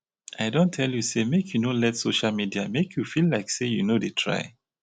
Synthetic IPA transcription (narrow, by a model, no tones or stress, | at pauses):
aɪdõntʰɛljusemekʰjunolɛtsoʃalmidiamekʰjufillaɪksejunodetʰɹa̰ɪ